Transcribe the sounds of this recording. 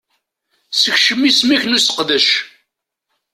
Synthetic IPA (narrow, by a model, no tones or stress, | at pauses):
səçʃəmːismiçnusə̥qðəʃ